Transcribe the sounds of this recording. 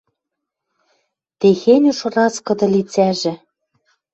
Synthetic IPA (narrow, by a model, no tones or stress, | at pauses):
t̪exenʲuʃrɑskɤ̆d̪ɤ̆lit͡sæʒɘ̆